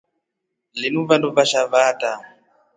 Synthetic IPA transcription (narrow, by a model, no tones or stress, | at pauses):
linuvanduvaʃavata